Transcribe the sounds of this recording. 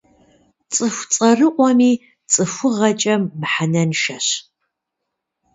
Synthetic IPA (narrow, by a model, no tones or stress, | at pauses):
t͡sʼɨxʷt͡sʼɐrɨqʷʼɔmiː | t͡sʼɨfʷʊʁɐt͡ʃʼɐmːħanɐnʃɐɕ